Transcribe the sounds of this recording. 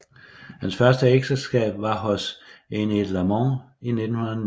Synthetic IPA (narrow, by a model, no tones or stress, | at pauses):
hænsfɶɐsd̥əeɡ̥səsɡ̥ɛ̰ːb̥ʋɑ̈ɦɔsened̥læmɒ̃ | ine̝d̥n̩hunɐð